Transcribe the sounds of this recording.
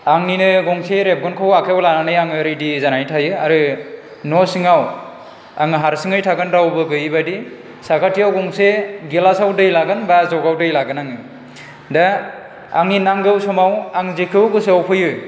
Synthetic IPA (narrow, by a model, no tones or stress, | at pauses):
aŋninɯɡɔŋseɾep̚ɡɔnkʰɯwakʰewlananɯjaŋɯɾɯdizanajtʰajɯaɾɯ | nɔsɯŋaw | a̰ŋɯɦaɾsɯŋɯjtʰaɡɯnɾawbɯɡɯjbadi | sakʰatijawɡɔŋseɡelasawdɯjlaɡɯnbazɔɡawdɯjlaɡɯnaŋɯ | da | aŋninaŋɡɯwsɔmawaŋzekʰɯwɡɯseawpʰɯjɯ